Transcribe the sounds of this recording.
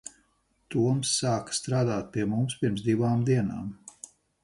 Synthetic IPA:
t̪uɔmsːaːkḁst̪ɾaːd̪aːt̪̚piɛmumspiɾms̬d̪iʋaːmd̪iɛna̰ːm

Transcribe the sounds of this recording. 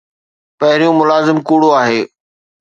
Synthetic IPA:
pɐɦɪɾijũmʊlaːzɪmkuːɽoaːɦeː

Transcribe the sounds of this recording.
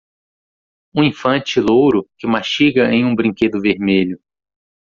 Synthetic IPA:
ũĩfɐ̃t͡ʃɪlowɾʊkɪmaʃiɡɐẽj̃ũbɾĩŋked̪ʊveɾmeʎʊ

